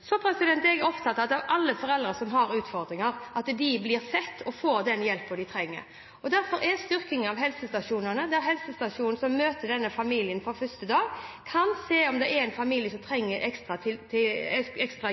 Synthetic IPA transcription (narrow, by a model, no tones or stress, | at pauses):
sɔpʰɾɛsɪd̪ɛnt̪ɛɡɛɾɔpt̪ʰɑt̪ːɑt̪ɑʋɑlːəfɔɾɛld̪ɾəsɔmɦɑɾʉːt̪fɔɾd̪ɾɪŋɑɾʔɑt̪d̪ɪblɪɾsɛt̪ːɔfoːɾd̪ɛnjɛlpːɔd̪ɪt̪ʰɾɛŋːə̰ɾ | ɔd̪æɾfɔɾʔɛst̪ʏɾkɪŋənɑʋɦɛlsəst̪ɑʂuːnənəd̪æɾɦɛlsəst̪ɑʂuːnn̩sɔmːøːt̪əd̪ɛnːəfɑmiːlɪənfɔɾfœst̪əd̪ɑːɡkʰɑnseːɔmd̪ɛʔɛɾɛɪnfɑmiːljəsɔmt̪ʰɾɛŋːəɾɛkst̪ɾɑt̪ʰɪlt̪ʰɪɛkst̪ʁɑ